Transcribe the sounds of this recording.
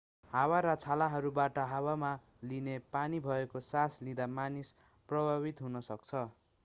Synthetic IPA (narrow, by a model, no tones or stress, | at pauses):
hawaɾʌt͡sʰalaɦʌɾubaʈʌɦawama | linepanibʱʌekosaslid̪amanis | prʌbʱabit̪ɦunʌsʌk̚t͡sʰʌ